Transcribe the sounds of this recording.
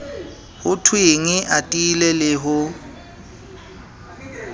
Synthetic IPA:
hʊtʰwɪŋɪʔatʼilɛlɪɦʊ

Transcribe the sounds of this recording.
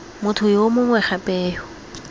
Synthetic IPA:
mʊtʰʊjomʊŋwɛχapʼɛːjʊ

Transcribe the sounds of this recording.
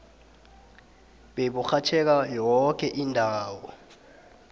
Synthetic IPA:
ɓeɓuxat͡ʃʰɛk̬ajɔk̬ɛʔindʱaːwɔ

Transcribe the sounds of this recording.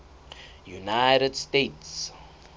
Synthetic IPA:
junajɾədstets

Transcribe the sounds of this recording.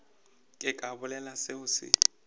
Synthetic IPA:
kʼɪkʼabʊlɛlasɪʊsɪ̰

